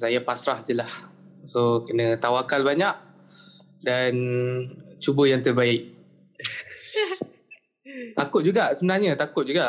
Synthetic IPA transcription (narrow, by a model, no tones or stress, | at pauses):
sajapasɾaht̪ulah | sokənət̪awakalbaɲaʔ̚ | dan | t͡ʃubəjaŋt̪ərbaɪʔ̚ | t̪akʊt̪̚d͡ʒuɡaʔsəmənarɲat̪akʊt̪̚d͡ʒuɡaʔ